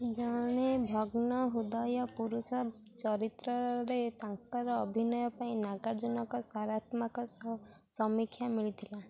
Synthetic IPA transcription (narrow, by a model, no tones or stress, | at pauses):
d͡ʒɔɽ̃ebʱɔɡnɔɦud̪ajɔpuɾusɔ | t͡ʃɔɾit̪ɾɔɾet̪aŋkɔɾɔːbʱinɔjɔpaĩnaɡaɾd͡ʒɔnɔkɔsaɾat̪makɔ | sɔmikʰjamiɭit̪ʰila